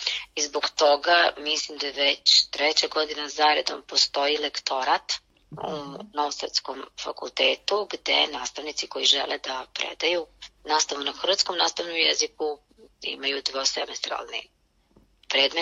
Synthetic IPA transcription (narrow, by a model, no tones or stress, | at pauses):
izboɡt̪o̞ɡamislimd̪ajʋet͡ɕt̪ɾet͡ɕaɡo̞d̪inazaɾed̪o̞̰mpo̞st̪o̞ilekt̪o̞ɾat̪ | ṵnoʋosɾt̪skomfa̰kṵlˠt̪eːt̪uɡd̪e̞̰naːst̪aʋnit̪siko̞jiʒḛlʔed̪apɾḛd̪ajunaːst̪aʋunaxr̩ʋat̪sko̞mnaːst̪aʋnomjeziku | ḭmajud̪ʋosemest̪ɾa̰lˠnḭ | pɾe̞ːd̪me